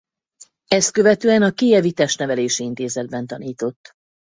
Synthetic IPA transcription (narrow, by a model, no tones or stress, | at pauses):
ɛst̪̚køvɛt̪øːɛnɒkijɛvit̪ɛʃt̪nɛvɛleːʃiint̪eːzɛd̪̚bɛnt̪ɒniːt̪o̞t̪ː